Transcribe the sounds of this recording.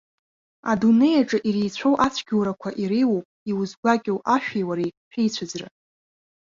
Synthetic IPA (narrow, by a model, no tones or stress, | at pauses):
a̰dune̞jaʈ͡ʂʼɨʔirejt͡ɕʷʰowʔat͡sʷʰɡʲuwɾakʷʰaʔiɾiwopʼiwuzɡʷakʲʼowʔaʃᶣejwaɾejħʲejt͡ɕʷʰad͡zra̰